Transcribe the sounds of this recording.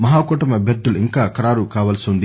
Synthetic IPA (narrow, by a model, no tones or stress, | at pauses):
mɐɦaːkuːʈɐmɐbɐd̪ːuluiŋkaːkɐɾaːɾukaːʋɐːlɐsiund̪i